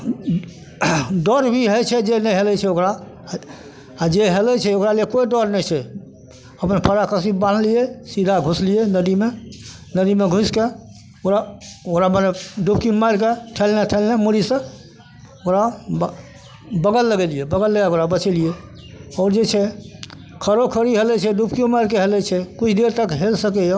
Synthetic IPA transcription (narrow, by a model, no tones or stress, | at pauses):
ɖɔɾbʱiɦət͡ʃʰɛd͡ʒenɛjɦelɛt͡ʃʰɛokɾa | d͡ʒeɦelɛt͡ʃʰɛokɾalekoiɖɔɾnɛjt͡ʃʰɛ | əpənpʰəɾakəsibanlijɛsid̪ʱaɡʱuslijɛnəd̪ime | nəd̪imeɡʱuske | oɾaokɾaməneɖup̚kimajɾkeʈʰelneʈʰelnɛmuɾisə̃ | okɾa | bəɡəlːəɡelijɛbəɡəlːəɡeokɾabət͡ʃelijɛ | ɔːɾd͡ʒet͡ʃʰɛ | kʰəɾokʰəɾiɦelɛt͡ʃʰɛɖupkiomajɾkeɦelɛt͡ʃʰɛkut͡ʃʰd̪eɾt̪əkɦelsəkɛjɔ